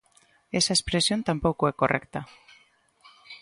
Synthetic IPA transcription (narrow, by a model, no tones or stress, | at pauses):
esaespɾesjo̞nt̪ampowkoeko̞rʔekt̪a